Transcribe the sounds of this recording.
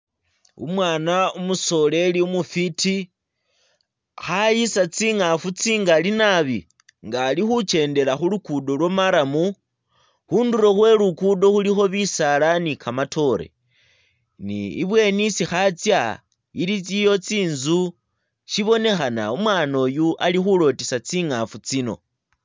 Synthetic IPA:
ṵmwaːnaumuso̞le̞liumufiti | xajisat͡siːŋafut͡siŋɡalinaβi | ŋɡaːlixut͡ʃe̞ːnde̞laxulukudo̞lwomaɾamu | xunduɾo̞xwe̞lukudo̞xulixo̞βisalanikʰamatʰo̞ɾḛ | nḭːβwe̞nisixat͡sja | iɾit͡sijo̞t͡siːnzu | ʃiβo̞ne̞xana̰umwaːno̞ːjuʔalixulo̞tisat͡siŋafut͡sino̞̰

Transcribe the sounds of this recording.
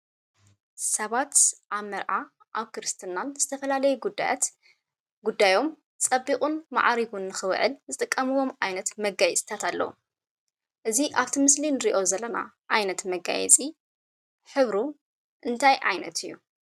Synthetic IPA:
sɐβat̪ʔaβmɐɾʔa | ʔaβkɨɾɨst̪ʰɨnːanzɨt̪ʰɐfɐlalɐjuɡud̪a̰ja̰t̪ | ɡud̪ːajo̞m | t͡sʼɐbːikʼunma̰ʕɾiɡunːɨxɨβ̰ʕɨ̰lzɨt̪ʼɨkʼːɐmɨwo̞mʔajnɐt̪mɐɡajɛt͡sʼt̪ʰat̪ʰalːɐ̰wṵ | ʔɨziʔaβt̪ʰimɨslinɨɾiʔo̞zɐlːɐna̰ | ʔajnɐt̪mɐɡa̰jɛ̰t͡sʼi | ħɨβɾu | ʔɨnt̪ʰajʕa̰jnɐ̰t̪ɨjːu

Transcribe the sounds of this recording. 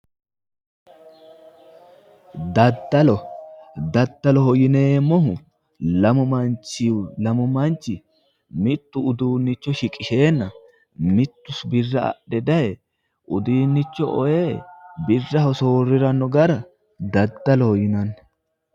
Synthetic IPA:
d̪ɐd̪ːɐlɔd̪ɐd̪ːɐlɔhɔjɪne̞ːmːɔɦʊ | lɐmʊmɐnt͡ʃːɪwlɐmʊmɐnt͡ʃːɪ | mɪt̪ːʊʊd̪uːnːɪt͡ʃːɔʃɪkʼɪʃe̞ːnːɐ | mɪt̪ːʊsbɪrːɐɐ̰ʔɛd̪ɐjɛ | ʔʊd̪iːnːɪt͡ʃːɔʔɔjebɪrːɐhɔsoːrːɪɾɐnːɔɡɐɾɐ | d̪ɐd̪ːɐlɔhɔjɪnɐnː

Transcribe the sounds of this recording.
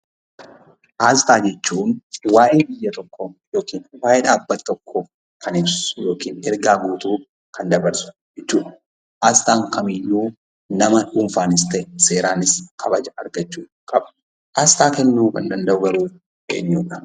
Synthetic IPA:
ʔaːst̪aːd͡ʒɛt͡ʃːuːnwaːʔe̞ːbɪjːɐt̪ɔkːɔjo̞ːkiːnwaːʔɛᶑaːbːɐt̪ːɔkʰːɔ | kʰɐnɪbssʊjo̞ːkiːnɛɾɡaːɡuːt̪uː | kʰɐnd̪ɐbɐɾsʊ̥d͡ʒɛt͡ʃːuːᶑɐ̥ | ʔaːst̪aːŋkʰɐmɪjːuː | nɐmɐᶑuːmfaːnɪst̪ɛse̞ːɾaːnɪskʰɐbɐd͡ʒɐɐɾɡɐt͡ʃːuː | kʼɐbɐ | ʔaːst̪aːkɛnːuːkɐnd̪ɐnd̪ɐʔʊɡɐɾuː | ʔḛːɲːuːᶑɐ̥

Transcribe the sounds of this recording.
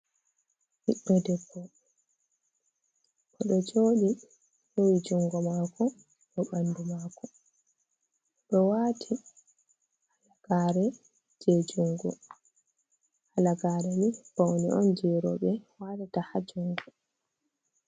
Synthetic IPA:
hiɓːɛdɛbːɔ | ʔɔɗɔd͡ʒoːɗi | howid͡ʒuŋɡɔmaːkɔ | ɗɔɓandumaːkɔ | ɗɔwaːtʰi | halaɡ̥aːɾɛ | d͡ʒed͡ʒuŋɡɔ̰ | halaɡaːɾɛnib̥owniʔɔnd͡ʒɛɾɔ̰ɓɛwatatahad͡ʒuŋɡɔ

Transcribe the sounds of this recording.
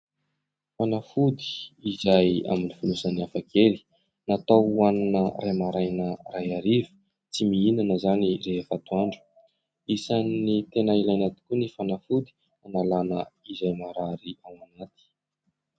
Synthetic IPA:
fanafud̪i̥ːzaja̰minifunusəniafakʰeli̥ | nat̪awaninərajmaɾajnərajaɾivu̥ | t͡simiinanəzanireɦefat̪uaɳɖ͡ʐu̥ | isanit̪enailajnat̪i̥kʲunifanafud̪i̥ | analanəizajmaɾaɾiawanat̪i̥

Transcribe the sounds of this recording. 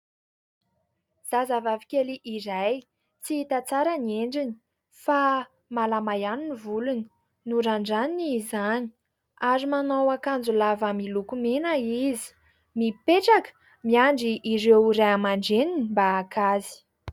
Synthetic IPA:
z̥azavavikʲeliʔiɾaj | t͡siit̪at͡saɾanieɳɖ͡ʐini̥ | fa | malamajaninivuluni | nuɾaɳɖ͡ʐaninizani̥ | aɾimanowakand͡zulavamilukumenaizi̥ | mipeʈ͡ʂakə̥ | miaɳɖ͡ʐiʔiɾewɾajamaɳɖ͡ʐeninimbaːkazi̥

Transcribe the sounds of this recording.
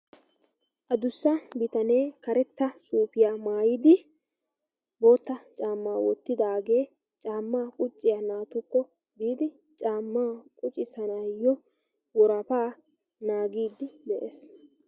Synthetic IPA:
ʔɐd̪ʊsːɐbɪt̪ɐne̞ːkɐɾɛt̪ːɐsʼuːpɪjaːmaːjɪd̪ɪ | bo̞ːt̪ːɐt͡ʃʼaːmːaːwɔt̪ːɪd̪aːɡeː | t͡ʃʼaːmːaːkʼʊt͡ʃʼːɪjanaːt̪ʊkːɔ | biːd̪ɪ | t͡ʃʼaːmːaːkʼʊt͡ʃʼɪsɐnajːɔ | wɔɾɐpaː | naːɡiːd̪ɪd̪ɛʔeːs

